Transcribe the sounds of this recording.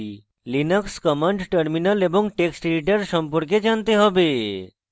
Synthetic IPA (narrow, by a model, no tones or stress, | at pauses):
linəkskɔmaɳɖʈəɾminəleboŋʈeksʈliʈəɾʃɔmpɔɾk̬ed͡ʒant̪eɦɔbe